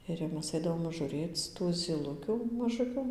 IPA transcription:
ɪr jɛʊ ˈmʲɛs ˈɐɪdɐʋoːm ʒʊˈrʲeːt͡s tuː zʲiːˈlˠʊkʲuː mɐˈʒʊkʲʊ

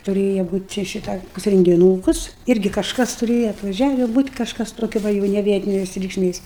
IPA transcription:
tʊˈrʲeːjɛ ˈbuːtʲ t͡ʃʲɛ ˈʃʲɪtɑː rʲɛŋʲɡʲɪˈnuːkʊs ˈɪrʲɡʲɪ kɐʃˈkɐs tʊˈrʲeːjɛ ɐtʋɐˈʒʲæːʋʲɪ buːtʲ kɐʃˈkɐs toːˈkʲɛ ˈʋɐ jɛʊ nʲɛ ˈʋʲiɛtʲɪnʲeːs rʲɛɪkʃʲˈmʲeːs

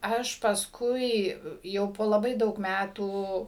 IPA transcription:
ˈɐʃ pɐsˈkʊɪ ˈjɛʊ poː lˠɐˈbɐɪ ˈdɐʊk ˈmʲætuː

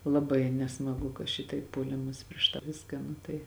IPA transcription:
lˠɐˈbɐɪ nʲɛsmɐˈɡʊ kɐ ˈʃʲɪtɐɪp puɔˈlʲɪmɐs pʲrʲiɛʃ tɑː ˈʋʲɪskɑː ˈnʊ tɐɪ

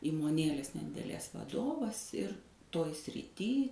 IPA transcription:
iːmoːˈnʲeːlʲeːs nʲɛdʲɪdʲɛˈlʲeːs ʋɐˈdoːʋɐs ɪr ˈtoːj sʲrʲɪˈtʲiː

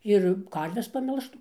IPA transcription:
ˈɪr ˈkɐrʲʋʲɛs pɐˈmʲɛlˠʃtuː

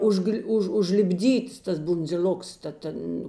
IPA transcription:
ˈʊʒɡlʲ ˈʊʃ ʊʒʲlʲɪbʲˈdʲiːts tɐs bʊnʲd͡zʲɪˈlʲoːks tɐ ˈtʲɛn

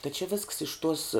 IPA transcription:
tɐ t͡ʃʲɪ ʋʲɪsks ɪʃ tuɔs

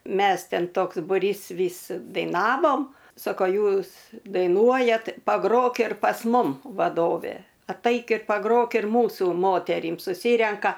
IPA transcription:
ˈmʲɛs ˈtʲɛn ˈtoːks bʊˈrʲiːs ˈʋʲiːs dɐɪˈnɑːʋoːm ˈsoːkoː ˈjuːs dɐɪˈnuɔjɛt pɐˈɡroːk ɪr pɐs ˈmʊm ʋɐˈdoːʋʲeː ɐtˈɐɪk ɪ pɐˈɡroːk ɪr ˈmuːsuː ˈmoːtʲɛrʲiːm sʊˈsʲiːrʲɛŋkɐ

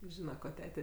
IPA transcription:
ˈʒʲiːnɐ koː ˈtʲæːtʲɛ

